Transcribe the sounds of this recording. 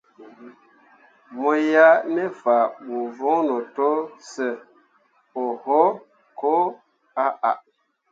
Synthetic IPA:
mo˨ja˦nɛ˦fa˨mu˨vo˦ŋno˨to˦sə˨ | o˨ho˦ | ko˦ | a˦ʔa˨ʔ

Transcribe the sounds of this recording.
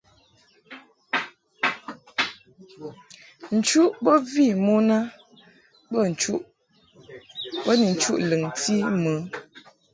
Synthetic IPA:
n̩˨t͡ʃu˦ʔbɔ˦vi˦˨mo˦na˦ | bə˦˨n̩˨t͡ʃu˦ʔ | bɔ˦ni˨n̩˨˦t͡ʃu˦ʔlɨ˨ŋti˦mə˨˦

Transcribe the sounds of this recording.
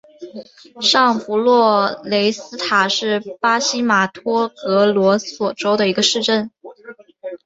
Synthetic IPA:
ʂɑ˥˩ŋpu˧˥lwɔ˥˩le˧˥ɪsɹ̩˥t̪ʰa˨˩ʂɻ̩˥˩pa˥ɕi˥ma˨˩t̪ʰwɔ˥kɤ˧˥lwɔ˧˥swɔ˨˩ʈ͡ʂo˥ʊd̪ə˨i˧˥ɡə˧ʂɻ̩˥˧ʈ͡ʂə˥˩n

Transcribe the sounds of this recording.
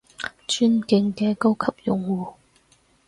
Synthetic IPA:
t͡ʃyː˥nkɪ˧ŋkɛː˧ko˥wkʰɐ˨p̚jʊ˨ŋwuː˨˩

